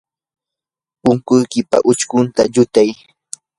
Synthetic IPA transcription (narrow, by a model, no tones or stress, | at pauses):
pʊŋkʊjkɪpa̰ʔʊt͡ʃkʊnt̪aʎʊt̪aj